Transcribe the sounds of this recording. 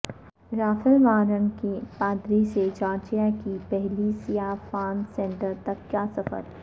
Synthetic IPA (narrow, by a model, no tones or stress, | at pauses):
ɾaːfəlʋaːɾənkipaːd̪ɾiset͡ʃaːɾt͡ʃijakipɛɦlisijaːfaːnsɛ̃ːɳʈəɾt̪ɐkkaːsɐfə̰ɾ